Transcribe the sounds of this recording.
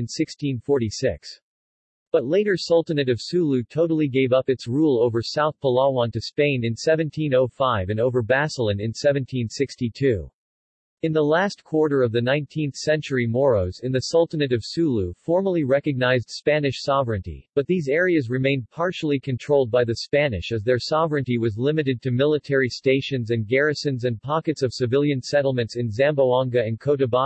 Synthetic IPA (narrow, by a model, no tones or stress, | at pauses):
ɨ̃nsɪkstʰĩnfɔɹɾisɪks | b̥ʌtˡleɪɾə˞sʌlˠtɨnɨɾʌv̥sʉlˠʉtʰoʊɾl̩ˠiɡeɪvʌpɨtsɹulˠoʊvə˞saʊθpʰəlɑwɑ̃ntɨspẽɪ̃nɨ̃nsɛvɨ̃ntʰĩnoʊfaɪvɨ̃noʊvə˞bæsl̩ˠɨ̃nɨ̃nsɛvɨ̃ntʰĩnsɪkstitʰʉ̰ | ɨ̃nðəlæstkʰw̥ɔɹɾə˞ʌvðɨnãɪ̃ntʰĩnθsɛ̃nt͡ʃə˞imɔɹoʊzɨ̃nðɨsʌlˠtənɨɾʌv̥sʉlˠufɔɹmə˞lˠiɹɛkɨɡ̚naɪzd̥spænɨʃsɑvɹɨ̃ntḭb̥ʌt̪̚ðizɛɹiɨzɹɨmẽɪ̃npʰɑɹʃl̩ˠikʰɨ̃ntʰɹ̥oʊlˠd̚baɪðɨspænɨ̰ʃɨzðə˞sɑvɹɨ̃ntiwʌzlɪ̃mɨɾɨd̚tʰɨmɪlˠətʰɛɹisteɪʃɨ̃nzɨ̃nɡɛɹɨsɨ̃nzɨ̃npʰɑkɨtsʌv̥sɨvɪlˠjɨ̃nsɛɾl̩ˠmɨ̃ntsɨ̃nzæ̃mboʊɑ̃ŋɡɨɨ̃nkʰoʊɾɨbɑ